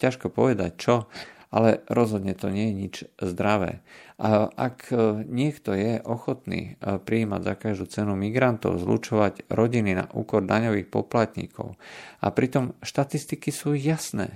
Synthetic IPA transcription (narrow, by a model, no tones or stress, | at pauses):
caʃkɔpɔʋɛd̪ac̚t͡ʃɔalɛɾɔzɦɔd̪ɲɛt̪ɔɲɪɛjɛɲid͡ʒzd̪ɾaʋɛ̰ːaʔa̰kɲɪɛkt̪ɔjɛʔɔxɔt̪nḭːpɾiiːma̰ɟzakaʒd̪uːt͡sɛnumiɡɾant̪ɔ̰ʊzlṵt͡ʃɔʋaɟɾɔɟinina̰ʔuːkɔɾd̪aɲɔʋiːxpɔplat̪ɲḭkʰɔ̰ʊa̰pɾit̪ɔmʃt̪at̪ist̪ikisuːjasnɛ̰ː